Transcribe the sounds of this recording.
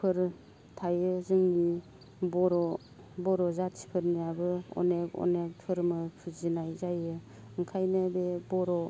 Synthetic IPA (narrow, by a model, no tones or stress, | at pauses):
pʰɯɾ | tʰajɯzɯŋni | bɔɾɔ | bɔɾɔzatsi̥pʰɯɾnijabɯɔ̰nekɔ̰nek̚tʰɯɾmɯpʰɯzinajzajɯ | ɯŋkʰajnɯbebɔɾɔ